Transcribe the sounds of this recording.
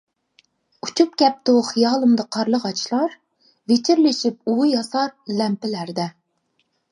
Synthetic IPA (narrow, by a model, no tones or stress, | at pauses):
ut͡ʃʰup̚kʲɛp̚t̪uχijɑːlˠɨmd̪ɑqʰɑɾlˠəʁɑt͡ʃʰlˠɑɾ | vet͡ʃʰiɾlɪʃip̚ujɑsɑɾlɛmpɪlæɾd̪ɛ